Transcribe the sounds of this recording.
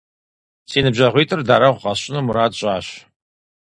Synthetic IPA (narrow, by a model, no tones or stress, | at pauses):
siːnɨbʑɐʁʷiːtʼɨrdaːɾɐʁʷʊqɑɕʼɪnɨmuɾaːdɕʼaːɕ